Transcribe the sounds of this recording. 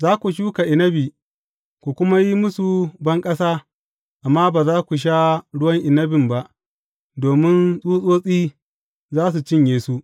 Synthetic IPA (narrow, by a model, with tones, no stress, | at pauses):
zaː˦kʷu˨ʃuː˦ka˨ʔɪ˨nɐ˦biː˨ | kʷu˨kʷʊ˦ma˦ji˦mʊ˦su˨bɐ˦ŋkʼɐ˦saː˦ | ʔa˨mːaː˦baː˨zaː˦kʷu˨ʃ̬a˦ɽʊ˦wɐ˦ŋʔɪ˨nɐ˦bɪ˨mba˦ʔ | doː˨mɪ˦nsʼuː˦sʼoː˦sʼiː˦ | zaː˦s̬u˨t͡ʃɪ˦ɲjeː˨su˦ʔ